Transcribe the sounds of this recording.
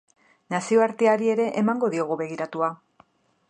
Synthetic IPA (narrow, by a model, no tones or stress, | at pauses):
nasio̞aɾt̪eaɾie̞ɾe̞ʔemaŋɡo̞ðio̞ɣuβe̞ɣiɾat̪ua